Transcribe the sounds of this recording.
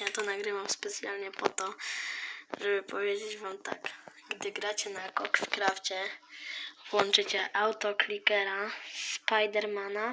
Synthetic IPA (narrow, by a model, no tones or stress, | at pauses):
jat̪ɔnaɡɾɘvamspɛt̪sʲja̰lɲɛpɔt̪ɔ | ʐɛbɘpɔvʲjed͡ʑed͡ʑvamt̪a̰k | ɡd̪ɘɡɾat͡ɕɛnakɔkfkɾaft͡ɕɛ | vwɔnt͡ʂɘt͡ɕɛʔawt̪ɔklʲikɛɾasspajd̪ɛɾmana